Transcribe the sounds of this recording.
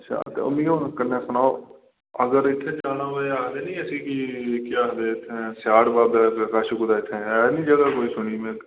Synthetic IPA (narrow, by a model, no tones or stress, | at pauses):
tːʃʰa̰ːt̪ḛo̰ːmĩːonkəɾneːsənaːo | əɡəɾɪt̪ʰːeːd͡ʒaːnãːʋoaːd̪eːnĩːəsiːkikɪaːɦd̪eːɪt̪ʰːesɪaːɽbaːbaːkaːʃukʊd̪aːɪt̪ʰːẽːnĩːd͡ʒəɡaːkoːiːsʊɽ̃iːmẽː